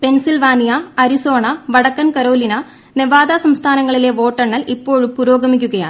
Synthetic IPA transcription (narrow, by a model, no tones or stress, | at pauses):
pe̞nsilʋaːnijɐɐɾiso̞ːɳɐʋɐɽɐkːɐnkɐɾo̞ːlinɐ | neʋaːd̪asɐmst̪ʰaːnɐŋːɐɭile̞ʋo̞ːʈːɐɳːɐlipːo̞ːɻumpuɾo̞ːɡɐmikʲːuɣɐja̰ːɳɨ